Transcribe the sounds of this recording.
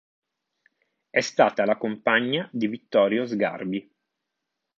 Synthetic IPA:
ɛst̪aːt̪alakompaɲːad̪ivit̪ːɔːɾjozɡa̰rbi

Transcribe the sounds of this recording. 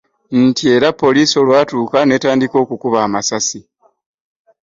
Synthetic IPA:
n̩tie̞ɾapːo̞liːso̞lwaːtuːkane̞ːtaːndiko̞ːkukuβaːmasasi

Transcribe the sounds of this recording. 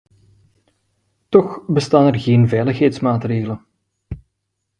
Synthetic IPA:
tɔxbəstaːnɛrɣeːnvɛjləxɦɛjtsmaːtreːɣələn

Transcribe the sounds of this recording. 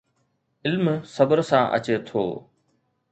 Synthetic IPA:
ɪlmsɐbəɾsãːʔɐ̰t͡ɕet̪ʰo̰ː

